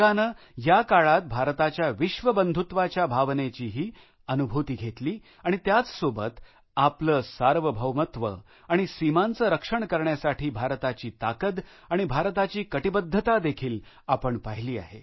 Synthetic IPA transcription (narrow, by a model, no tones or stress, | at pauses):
anə | jakaɭat̪̚bʱaɾt̪at͡ɕjaʋiɕʋəbənd̪ʱut̪ʋat͡ɕjabʱaʋnet͡ɕiːɦiː | ənubʱut̪iːɡʱet̪liː | aɽ̃it̪jat͡ssobət̪ | apləːsaɾʋəbʱəʋmət̪ʋə̰ | aɽ̃isimant͡səɾəkʂəɳkəɾɳjasaʈʰiːbʱaɾt̪at͡ɕiːt̪akəd̪ | aɽ̃ibʱaɾt̪at͡ɕiːkəʈibəd̪ʱːət̪ad̪ekʰiːl | apəɳpaɦiliːa̰ɦe